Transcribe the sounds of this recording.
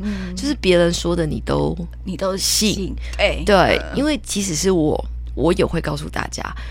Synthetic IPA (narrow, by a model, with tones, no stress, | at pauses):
t͡ɕjo˥ʊʂɻ̩˥˩pjɛ˧˥ɻə˧˦nswɔ˥d̪ə˨nḭ˨˩t̪o˦˥ʊ˨ | ɕi˥˩˧t̪we˥˩ɪi˦nwe˥˩ɪt͡ɕi˧˥ʂɻ̩˨˦ʂɻ̩˥˩wɔ̰˨˩˦ | wʔɔ˧˥jɛ˨˩xwe˥˧ɪkɑ˥˧ʊs̬ṵ˥˧t̪a̰˥˩t͡ɕja̰˥